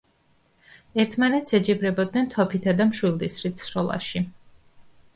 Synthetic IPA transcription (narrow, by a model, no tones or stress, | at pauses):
ɛɾt̪ʰmanɛt̪sɛd͡ʒɛbɾɛbɔd̪̚nɛnt̪ʰɔpʰit̪ʰad̪amʃwilˠd̪isɾit̪ʰsɾɔlˠa̰ʃi